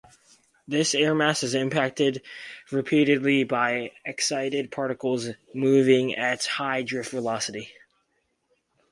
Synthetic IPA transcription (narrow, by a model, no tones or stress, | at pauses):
ðɪsɛɹmæsɨzɨ̃mpʰæk̚tɪdɹɨpʰiɾɨdˡlibaɪɨksaɪɾɨd̚pʰɑɹɾɨkl̩ˠz | muvɪ̃ŋɨthaɪdɹɪftvəlɑsɨɾi